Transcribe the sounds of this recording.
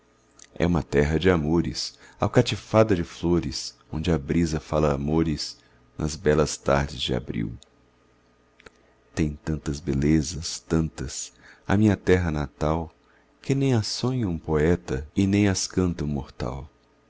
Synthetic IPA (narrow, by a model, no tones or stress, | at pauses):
ɛ̰ũmɐt̪ɛɦɐd͡ʒɪamoɾɪ̰sawkat͡ʃifad̪ɐd͡ʒɪfloɾɪs | õnd͡ʒɪɐbɾizɐfalɐːmoɾɪs | nʔɐ̰zbɛlɐst̪a̰ɾd͡ʒɪzd͡ʒɪa̰bɾḭw | t̪ẽj̃t̪ɐ̃nt̪ɐzbelezɐst̪ɐ̃nt̪ɐsɐ̰mĩɲɐt̪ɛɦɐnat̪aw | kɪnẽj̃asõɲɐũpoɛt̪ɐɪnẽj̃askɐ̃nt̪ɐũmoɾt̪a̰w